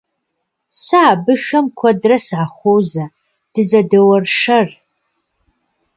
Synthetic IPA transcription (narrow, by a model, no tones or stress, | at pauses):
saːbɨxɐmkʷʰɐdrɐsʕaχʷowzɐ | d̥ɨzɐdɐwɐrʂɐr